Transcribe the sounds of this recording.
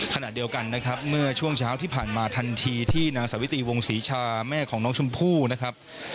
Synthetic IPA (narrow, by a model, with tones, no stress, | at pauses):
kʰa˧na̰˨˩ʔdi˧əwka˧nːa˦˥kʰɾa˦˥p̚mɯ˥˩ɐt͡ɕʰu˥˩əŋt͡ɕʰaː˦˥wt̪ʰiː˥˩pʰaː˨˩nmaː˧t̪ʰa˧nt̪ʰiː˧t̪ʰiː˥˩naː˧ŋsa˩˦wi˦t̪iː˧wo˧ŋsiː˩˦t͡ɕʰaː˧mɛː˥˩kʰɔː˩˦ŋnɔː˦˥ŋt͡ɕʰu˧mpʰuː˥˩na˦˥kʰɾa˦˥p̚